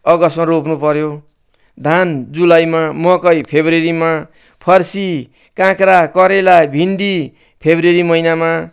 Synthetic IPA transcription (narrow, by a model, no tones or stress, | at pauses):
ʌɡʌsmaɾopnupʌɾjo | d̪ʱand͡zulajmamʌkʌjpʰebrɾeɾima | pʰʌrsi | kãkɾakʌɾelabʱinɖi | pʰebreɾimʌinama